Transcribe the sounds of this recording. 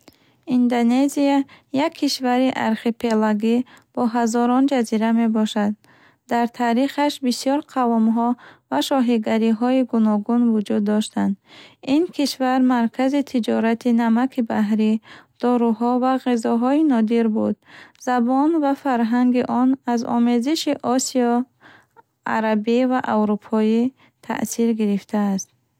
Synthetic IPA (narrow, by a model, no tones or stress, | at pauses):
ind̪oneziajakʰːiʃvaɾiʔaɾχipʰe̞laɡib̥ɔɦazɔɾɔnd͡ʒaziɾame̞bɔʃad̪̚ː | aɾt̪ʰaɾiχaʃbisiɔɾqʰavɔmɦɔvaʃɔɦiɡaɾiɦɔiɡunɔɡunvud͡ʒud̪ːɔʃt̪and̪inkʰiʃvaɾmaɾkʰazit̪ʰid͡ʒɔɾat̪ʰinamakʰibaɦɾid̪̥ɔɾuɦɔvaʁizɔɦɔinɔd̪iɾbud̪̚zabɔnvafaɾɦaŋɡiʔɔnazɔ̰meziʃiʔɔsiɔ | a̰ɾabivaʔawɾupʰɔi | t̪ʰa̰ʔsiɾɡiɾift̪ʰaːst̪̚